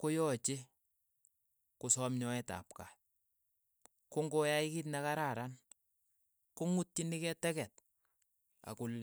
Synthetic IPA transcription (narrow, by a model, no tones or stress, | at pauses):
kojɔt͡ʃe | kusɔmɲɔɛta̰p̚ka̰j | kʊŋɡojaikit̬nɛkaɾaɾan | kuŋut̚ːinikɛtɛkɛt̚ | a̰kʊl